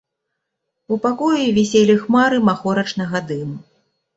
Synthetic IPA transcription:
upakɔjuvʲɛsʲelʲixmaɾɨmaxɔɾɐt͡ʂnɐɣɐd̪ɨmu

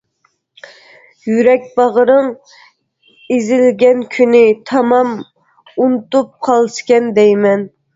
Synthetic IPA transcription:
jyɾɛk̚ʲbɑʁəɾɨŋ | ezɪlɡʲɛnkʲʰynɪt̪ʰɑmɑm | unɨt̪up̚qʰɑlˠʃkʲɛnd̪ɛjmɛn

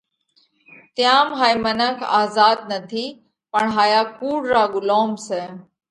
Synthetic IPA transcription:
t̪jaːmɦaːimənəkʰa̰ːzaːd̪̚nət̪ʰiː | pəɳɦaːjaːkuːɽɾaːɡʊloːmsɛː

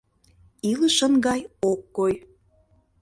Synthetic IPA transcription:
iləʃə̆nɡɑjokːoj

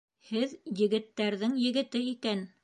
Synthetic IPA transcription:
hɘðjɘ̆ɡɘ̆t̪ːæɾðɘŋjɘ̆ɡɘ̆t̪ɘikæn

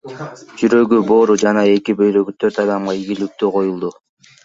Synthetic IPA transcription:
d͡ʒyɾø̞ɡybo̞ːɾud͡ʒɑnɑe̞kibø̞jɾø̞ɡyt̪ʰø̞ɾt̪ɑd̪ɑmʁɑiɡilyk̚t̪yqʰo̞julˠd̪u

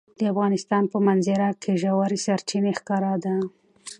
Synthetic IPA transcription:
d̪əafɣɑnɪst̪ɑnpəmanzɪɾakʰeʒawaɾisaɾt͡ʃinexkɑɾad̪a

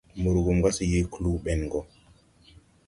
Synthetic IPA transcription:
muɾɡumɡasijikluɓɛnɡɔ

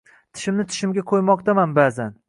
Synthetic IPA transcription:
t̪ʰɪ̥ʃɪmnɪt̪ʰɪ̥ʃɪmɡʲakʰojmɒqt̪amanbazan

